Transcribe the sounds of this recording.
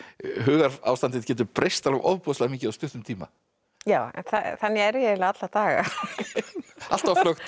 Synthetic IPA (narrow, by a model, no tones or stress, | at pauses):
ɦʏːɣaɾa̰wst̪ant̪ɪðcɛːt̪ʏɾpɾejst̪alavʔɔ̰ðpɔðʏslaːmiːcɪawst̪ʏht̪ʏmt̪ʰiːma̰ | jaːwɛ̰nθaθanːɪɛɾjɛɪlaat̪lat̪aːɣa̰ | al̥t̪vaflœxt̪